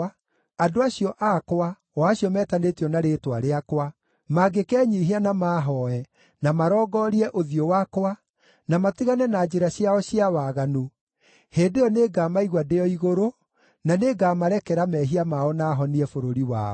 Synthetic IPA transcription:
adoaɕiɔʔakwa | ɔaɕiɔmɛːtanetiɔnaɾetwaɾeakwa | maɡekɛːɲiɦianamaːɦɔɛ | namaɾɔːɡɔːɾiɛʔoðijowakwa | namatiɣanɛnaːd͡ʒeɾaɕiaɔɕiawaːɣano | heːdejɔneːɡamaiɣwadejɔiɣoɾo | naneɡaːmaɾɛkɛɾamɛɦiamaɔnaːɦɔniɛfoɾoɾiwa̰ɔ

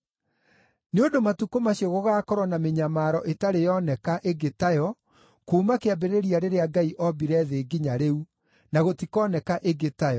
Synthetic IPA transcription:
neondomatukomaɕiɔɣoɣaːkɔɾwɔnameɲamaːɾɔʔetaɾejɔnɛkaʔeɡetajɔ | koːmakeabeɾeɾiaɾeɾeaɡaiʔɔbiɾɛðeːɡiɲaɾeu | naɣotikɔnɛkaʔeɡetajɔ

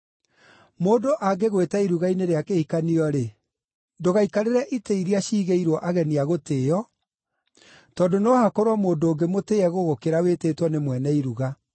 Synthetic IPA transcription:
moːdoʔaɡeɣwetɛiɾuɣaineɾeakehikaniɔɾe | ndoɣaikaɾeɾɛʔiteiɾiaɕiːɣeiɾwɔʔaɣɛniaɣoteːɔ | tɔːdonohakɔɾwɔmoːndooːŋɡemoteːɛɣoɣokeɾaweteːtwɔnemwɛnɛiɾuɣa

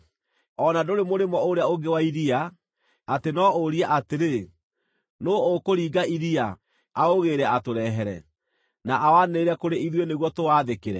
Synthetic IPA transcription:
ɔnadoɾemoɾemɔoɾeaoɡewaiɾia | atenɔoɾiaʔateɾe | nookoɾiːɡaʔiɾia | aoɣeɾɛatoɾɛɦɛɾɛ̰ | naʔawaneːɾɛkoɾeiðweneɣwɔtowaðekeɾɛ

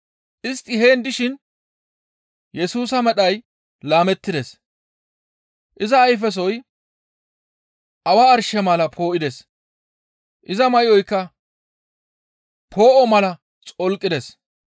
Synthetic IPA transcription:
ʔɪst̪ːɪɦe̞ːnd̪ɪʃɪn | jɛsuːsɐmɛɗɐj | laːmɛt̪ːɪd̪ɛs | ʔɪzɐːjf̬ɛs̬ɔj | ʔɐwaːɾʃɛmɐlɐpʰo̞ːʔɪd̪ɛs | ʔɪzɐmɐjɪɔjkːɐ | pʰo̞ːʔɔmɐlɐ | t͡sʼɔlkʼːɪd̪ɛs

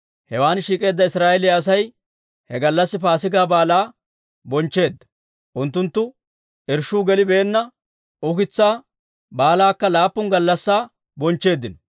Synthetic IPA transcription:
hɛwaːnʃiːkʼe̞ːd̪ːɐɪsɾaːɛlɪɐs̬ɐj | hɛɡɐlːɐsːɪpaːsɪɡaːbaːlaː | bɔnt͡ʃːe̞ːd̪ːɐ̥ | ʔʊnt̪ːʊnt̪ːʊ | ɪɾʃuːɡɛlɪbeːnːɐ | ʔʊkɪt͡sːaː | baːlaːkːɐlaːpːʊŋɡɐlːɐsːaː | bɔnt͡ʃːe̞ːd̪ːɪnɔ

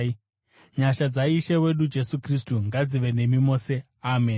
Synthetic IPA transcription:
ɲaʃad͡zaiʃewe̞ɗud͡ʒe̞sukristuŋɡad͡ziʋe̞ne̞mimo̞ːse̞ | aːme̞n

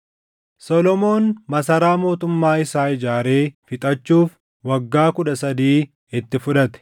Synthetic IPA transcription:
sɔlɔmo̞ːnmɐsɐɾaːmo̞ːt̪ʊmːaːɪsaːɪd͡ʒaːɾe̞ːfɪt̪ʼɐt͡ʃːuːf | wɐɡːaːkʊᶑɐsɐd̪iː | ɪt̪ːɪfʊᶑɐt̪ɛ̥

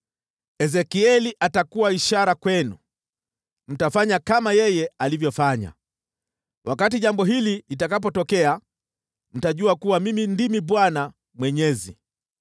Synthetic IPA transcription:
ɛzɛkiɛliʔatakuwaiʃaɾakwɛnṵ | m̩tafaɲakamajɛjɛalivjɔfaɲa̰ | wʔakatiʄambɔɦililitakap̬ɔtɔkɛa | m̩taʄuakuwamimindimiɓwana | mwɛɲɛzḭ

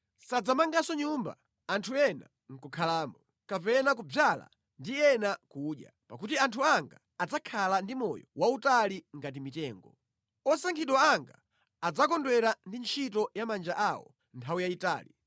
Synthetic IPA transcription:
sad͡zamaŋɡasɔɲumba̰ | antʰuɛna̰ | ŋ̩kukʰalaːmɔ | kapɛnakub͡vjala̰ | ndiɛnakuɗja̰ | pakutiantʰuaŋɡaːd͡zakʰalandimɔ̰jɔ̰wautaliŋɡat̬imitɛːŋɡɔ | ɔsaŋkʰiɗwaaŋɡa̰ː | d͡zakɔndwɛɾandint͡ʃʰit̬ɔjamand͡ʒaʔawɔ̰ | ntʰawujaita̰ːli

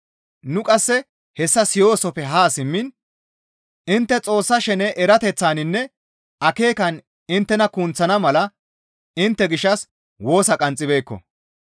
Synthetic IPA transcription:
nʊkʼɐsːɛ | hɛsːɐsɪjo̞ːsɔpɛɦaːsɪmːɪn | ɪnt̪ːɛt͡sʼo̞ːsːɐʃɛnɛʔɛɾɐt̪ɛt͡sːaːnɪnːɛ | ɐke̞ːkɐn | ɪnt̪ːɛnɐkunt͡sːɐnɐmɐlɐ | ɪnt̪ːɛɡɪʃːɐs | wo̞ːsɐkʼɐnt͡sʼːɪbe̞ːkːɔ̰

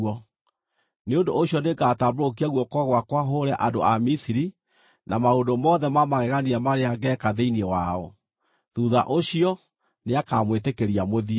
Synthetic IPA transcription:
ɔ | neondooɕjɔnekatamboɾok̬iaɣwɔkwɔɣwakwaɦoɾɛʔado̰amisiɾi | namaondomɔðɛmamaɣɛɣaniamaɾeaɡɛkaðeiniɛwaɔ̰ | ðuðaʔoɕiɔ | neakamwetekeɾiamoði

